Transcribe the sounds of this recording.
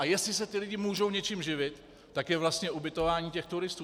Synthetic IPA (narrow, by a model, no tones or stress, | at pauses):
ʔajɛst̪lɪsɛt̪ɪlɪɟɪmuːʒowɲɛt͡ʃɪmʒɪvɪt̪ː | akjɛvlast̪ɲɛʔubɪt̪o̞vaːɲiːcɛxt̪uɾɪst̪u